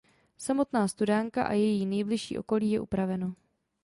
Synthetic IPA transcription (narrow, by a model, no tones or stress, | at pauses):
samo̞t̪naːst̪udaŋka̰ʔa̰jɛjiːnɛjblɪʃḭːʔo̞̰ko̞liːjɛʔupɾavɛno̞